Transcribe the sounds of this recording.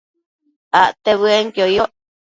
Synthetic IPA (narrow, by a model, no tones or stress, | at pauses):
aʔt̪eβɨeŋkjojoʔ